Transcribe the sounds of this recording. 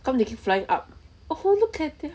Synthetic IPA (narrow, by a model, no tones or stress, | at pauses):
kãmtukipflajĩŋʔa̰p̚ | oholukʰɛt̚d̪ɛ